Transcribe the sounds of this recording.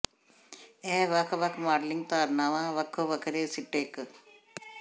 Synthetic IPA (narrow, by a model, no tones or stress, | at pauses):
eːʋɐkʰʋɐkʰmaːɖliŋɡ̚t̪aːɾnaʋãːʋɐkʰoʋɐkʰɐɾeːsiʈːeːk